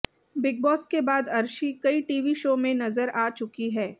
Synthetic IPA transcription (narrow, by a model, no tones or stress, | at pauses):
bɪɡ̚bɔːskebaːd̪ɐɾʃikɐiʈiːʋiʃoːmẽnɐzəɾaːt͡ʃʊkiɦɛː